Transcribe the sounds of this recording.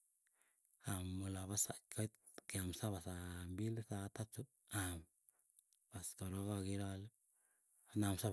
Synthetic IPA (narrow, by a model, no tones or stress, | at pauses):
amːulaβasa̰kʰajt̪̚ | keamsaβasambilsat̪at͡ʃut̪̚am | baskoɾoɣaɡiɾal | namsa